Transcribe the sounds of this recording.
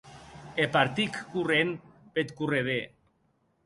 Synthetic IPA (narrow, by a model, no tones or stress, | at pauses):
epaɾt̪ikːurenpet̪kureðe